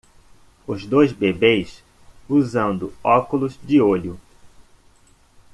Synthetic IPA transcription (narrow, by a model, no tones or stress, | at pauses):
ʊzd̪ojzbebejs | uzɐ̃nd̪ʊɔkʊlʊzd͡ʒɪoʎʊ